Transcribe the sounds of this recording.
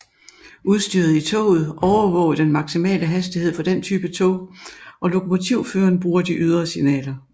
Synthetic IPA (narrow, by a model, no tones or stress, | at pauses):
ʔuð̞ˠsd̥yɐð̞̩ˠit͡sʰɔ̰ːð̩ˠʔɒʊɐʋɔ̰̽ːʊd̥enmɑ̈ɡ̥simɛ̰ːləɦæsd̥iɦe̝ð̞̰ˠfɒ̽d̥ent͡sʰyːb̥ət͡sʰɔ̰̽ʊʔɒ̽lo̝kʰo̝mo̝t͡sʰiʊ̰føːɐnb̥ʁuːɐd̥iʔyð̞ˠʁɐsinɛ̰ːlɐ